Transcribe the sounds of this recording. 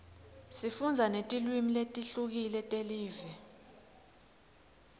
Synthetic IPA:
sifund͡zʱanetʼilwimiletʼiɬuk̬ilɛtʼeliːvɛ

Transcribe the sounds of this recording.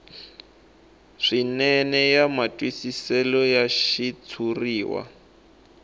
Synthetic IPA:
ʂinɛnɛjamatʼwisisɛlɔjaʃit͡sʰuriːwa̰

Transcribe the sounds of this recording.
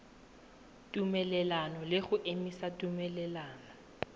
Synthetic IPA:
tʼumɛlɛlanɔlɪɣʊʔemisatʼumɛlɛlaːnɔ

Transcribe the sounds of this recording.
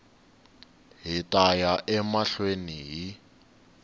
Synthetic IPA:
ɦitʼajaʔɛmaɬweniɦi

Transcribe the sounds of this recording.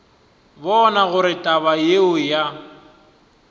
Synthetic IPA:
bɔnaɣʊɾɪtʼaβajeʊja

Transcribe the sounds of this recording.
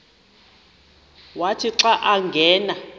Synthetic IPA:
watʰiǀaʔaŋɡʱɛːna

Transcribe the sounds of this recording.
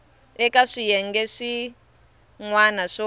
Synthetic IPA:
ɛkaʂijɛŋɡɛʂi | ŋwanaʂɔ

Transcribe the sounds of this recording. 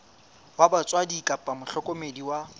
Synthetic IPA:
wabat͡sʼwadikʼapʼamʊɬʰɔkʼomediwa

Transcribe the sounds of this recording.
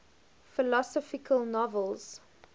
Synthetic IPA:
fɪlɔsɔfɪkʰəlˠnɔvəlˠz̥

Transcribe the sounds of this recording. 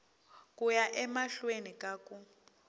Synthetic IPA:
kʼujaʔɛmaɬwenikʼaːkʼu

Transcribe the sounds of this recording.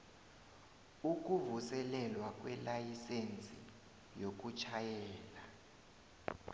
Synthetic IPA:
uk̬ʼuvusɛlɛlwak̬ʼwɛlajisent͡sʼi | jok̬ut͡ʃʰajɛːla

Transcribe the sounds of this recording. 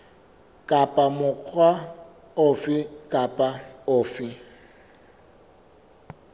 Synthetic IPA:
kʼapʼamʊq͡χʰwa | ʊfɪkʼapʼaʊːfɪ

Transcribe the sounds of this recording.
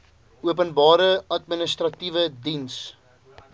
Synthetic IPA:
uəpənbɑːɾəɐt̚minəstrɐtivədins

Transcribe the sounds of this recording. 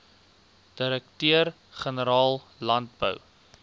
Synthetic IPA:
d̥əɾək̚tøər | χənəɾɑːlˠ | lɐnt̚bə̰w

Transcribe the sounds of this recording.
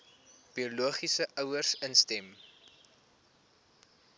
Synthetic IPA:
b̥ioluəχisəʔœwərsənstɛm

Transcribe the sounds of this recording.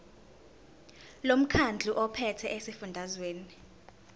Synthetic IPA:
lom̩kʰand͡ɮʱuʔɔpʰɛtʰɛʔesifundʱazweːni

